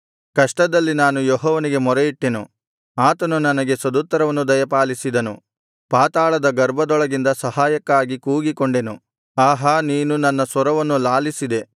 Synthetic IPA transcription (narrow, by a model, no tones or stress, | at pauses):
kɐʂʈɐd̪ɐlːinaːnujɔɦɔːʋɐniɡe̞mɔɾejiʈːe̞nṵ | aːt̪ɐnunɐnɐɡe̞sɐd̪ut̪ːɐɾɐʋɐnːud̪ɐjɐpaːlisid̪ɐnṵ | paːt̪aːɭɐd̪ɐɡɐɾbʱɐd̪ɔɭɐɡind̪ɐsɐhaːjɐkːaːɡikuːɡikoɳɖe̞nu | aːɦaniːnunɐnːɐsʋɔɾɐʋɐnːulaːlisid̪e̞